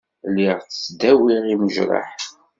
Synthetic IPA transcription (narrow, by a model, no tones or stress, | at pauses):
lːiʁθə̥sd̪æwiʁiməʒɾˤɑ̰ħ